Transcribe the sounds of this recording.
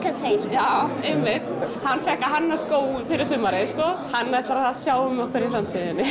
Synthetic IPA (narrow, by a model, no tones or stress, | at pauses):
aejawɛmːɪt̪hanːfɛhkaɦanːɪnaskoːwfɪɾɪɾ̥sʏːmaɾeðskɔhanːɛht̪laɾaθaðsjaːwʏmɔhkvaɾifɾamt̪ʰiðɪnːɪ